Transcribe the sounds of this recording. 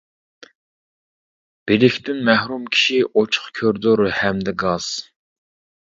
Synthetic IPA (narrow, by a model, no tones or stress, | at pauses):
b̥elɪkʲt̪ɪnmæhɾumkʲʰi̥ʃiʔot͡ʃʰʊ̥χkʲʰøɾd̪oɾhɛmd̪ɛɡɑz̥